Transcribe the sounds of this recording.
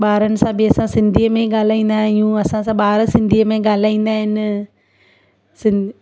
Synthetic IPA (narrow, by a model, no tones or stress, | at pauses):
ɓaːɾənɪ̆sãbiɐsãsɪ̃nd̪ʱijəmẽɠaːl̤aːĩːn̆d̪aɦɪjũːɐsãsãɓaːɾsɪ̃nd̪ʱijəmẽɠaːl̤aːĩːn̆d̪aːɦɪnɪ | sɪ̃n